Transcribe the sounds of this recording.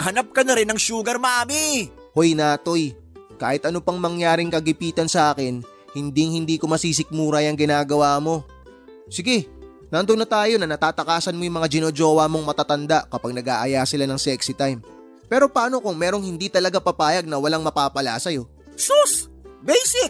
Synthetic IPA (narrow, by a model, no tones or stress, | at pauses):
hɐnap̚kɐnɐɾɛnɐŋʃuːɡɐɾmɐaːmi | hojnaːt̪o̞j | kaːhɪt̪ʔɐnopɐŋmɐŋjaːɾɪŋkɐɡɪpiːt̪ɐnsɐʔaːkɛn | hɪnd̪iŋhɪnd̪iːkomɐsiːs̬ɪk̚muːɾɐjɐŋɡɪnaːɡɐwaːmo̞ | sɪɡɛ | nɐʔɐnd̪onɐt̪aːjonɐnɐt̪aːt̪ɐkaːsɐnmojʊŋmɐŋad͡ʒɪnod͡ʒo̞ːwɐmo̞ŋmɐt̪at̪ɐnd̪aʔkɐpaɡ̚nɐɡa̰ːʔɐjaːsɪlanɐŋsɛksɪt̪ajm | pɛːɾo̞paːno̞kʊŋmɛːɾoŋhɪnd̪it̪ɐlɐɡapɐpaːjɐɡ̚nɐwɐlaŋmɐpaːpɐlaːsɐjo̞ | sus | bɛjsɪk̚